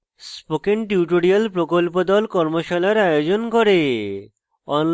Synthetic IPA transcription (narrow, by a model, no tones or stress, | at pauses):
spokeɳʈiwʈoɾialpɾokolpod̪ɔlkɔɾmoʃalaɾajod͡ʑonkoɾe | ɔn